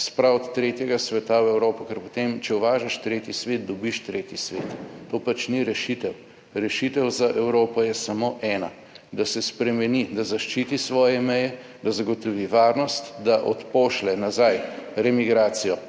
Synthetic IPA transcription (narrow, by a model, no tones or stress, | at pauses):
spɾawɔt̪ːɾeːt̪jɛɡasʋɛt̪awɛwɾoːpɔkɛɾpot̪emt͡ʃɛuʋaːʒaʃt̪ɾeːt̪jisʋeːt̪̚d̪ɔbiʃt̪ɾeːt̪jisʋḛt̪t̪oːpat͡ʃniɾɛʃit̪ɛw | ɾɛʃit̪ɛwzaʔɛwɾoːpɔjɛsɐmoʔɛːna | d̪asɛspɾɛmɛnid̪azaʃt͡ʃiːt̪isʋɔːjɛmɛjɛ | d̪azaɡɔt̪ɔʋiʋaːɾnɔst̪d̪aʔɔt̪poːʃlɛnazajɾɛmiɡɾaːsijɔ